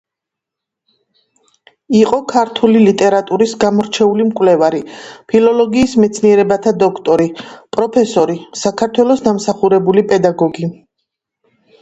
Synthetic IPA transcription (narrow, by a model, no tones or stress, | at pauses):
iqʼɔkʰaɾt̪ʰulilit̪ʼɛɾat̪ʼuɾisɡamɔɾt͡ʃʰɛulimkʼwlɛvaɾipʰilɔlɔɡiːsmɛt̪sʰniɛɾɛbat̪ʰad̪ɔkʰt̪ʼɔɾipʼɾɔpʰɛsɔɾisakʰaɾt̪ʰwɛlˠɔsd̪amsaχuɾɛbulipʼɛd̪aɡɔɡi